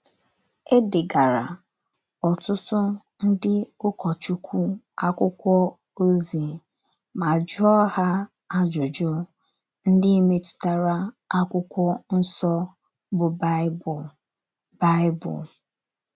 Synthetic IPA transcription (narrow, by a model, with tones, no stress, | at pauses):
e˦dɪ˨ɡa˨ɾa̰˨ | ɔ˨tʊ˦tʊ˦ | n̩˦dɪ˦ʊ˦kʰɔ˨t͡ʃu˦kʷʰu˦ | a˦kʷʊ˦kʷɔ˦ | o˦zi˨ | ma˨d͡ʒʊ˦ɔ˦ha˦ | a˦d͡ʒo˨d͡ʒɔ˦ | n̩˦dɪ˦i˦me˦tʊ̥˨ta˦ɾa˦ | a˦kʷʊ˦kʷɔ˦n̩˦sɔ˦ | bʊ˨b | ba˦ɪ˦bʊ̰˨l